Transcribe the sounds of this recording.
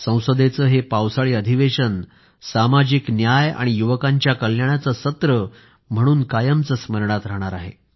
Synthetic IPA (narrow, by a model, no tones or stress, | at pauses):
sə̃w̃səd̪et͡səːɦepawsaɭiːəd̪ʱiʋeɕən | samad͡ʑiknjaja̰ɽ̃ijuʋəkãɲt͡ɕjakəljaɳ̃jat͡səsət̪ɾə | m̤əɽ̃uːnkajəmt͡səsməɾɳat̪ɾəɦɽ̃aɾaɦḛ